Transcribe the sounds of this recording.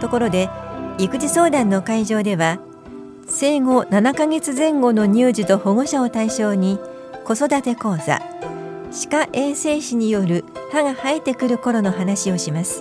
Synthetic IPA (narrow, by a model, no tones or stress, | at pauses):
t̪o̞ko̞ɾo̞d̪e̞ikɯ̟ʑiso̞ːd̪ãnːo̞kaiʑo̞ːd̪e̞βa | se̞ːɡo̞nanakaɡe̞t͡sɨzẽ̞ŋɡo̞no̞ɲ̟ɨːʑit̪o̞ho̞ɡo̞ɕao̞t̪aiɕo̞ːɲ̟i | ko̞so̞d̪at̪e̞ko̞ːza̰ | ɕi̥kaʔe̞ːse̞ːɕiɲ̟ijo̞ɾɯ̟haɡahait̪ːe̞kɯ̟ɾɯ̟ko̞ɾo̞no̞ɦanaɕio̞ɕimasɨ̥